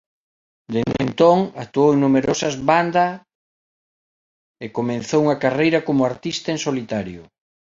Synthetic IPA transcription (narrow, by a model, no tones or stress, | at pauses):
d̪end̪ḛnt̪oŋak̚t̪uoweŋnumeɾosɐzβand̪ɐ | ekomẽnθowuŋɐkarejɾɐkomʊaɾt̪ist̪ɐẽnsolit̪aɾjʊ